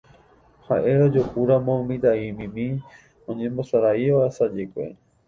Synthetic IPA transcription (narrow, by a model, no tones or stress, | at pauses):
haʔe̞ɾod͡ʒokuɾamõmĩd̪aimĩmĩ | õɲẽmbo̞saɾaiʋaesad͡ʒekʷḛ